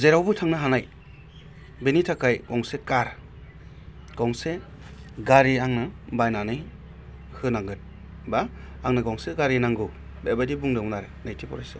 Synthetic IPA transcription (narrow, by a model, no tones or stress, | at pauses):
zeɾawbɯtʰaŋnaɦanaj | benitʰakʰajkɔŋsekaɾ | ɡ̥ɔŋse | ɡaɾiaŋnabajnanɯj | hɯnaŋɡɯt̚ | baː | ŋnaɡɔŋseɡaɾinaŋɡɯ | bebajdibuŋdɯmunaɾɯnajtʰipɔ̰ɾajsɯ